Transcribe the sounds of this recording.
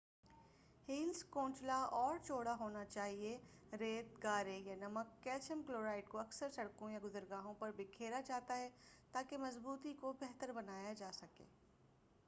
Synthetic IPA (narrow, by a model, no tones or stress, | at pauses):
hiːlskõːt͡ʃlaɔːɾt͡ʃoːɽaɦoːnat͡ʃaːɦie | ɾeːt̪ɡaːɾejanɐməkːɛːt͡ʃəmkloːɾaːɪʈkoɐksəɾsɐɽkõjaɡʊzəɾɡaːɦõpɐɾbʱɪkʰeːɾad͡ʒaːt̪aɦɛt̪aːkemɐzbuːt̪ikobɛɦt̪əɾbɐnaːjad͡ʒaːsɐkḛː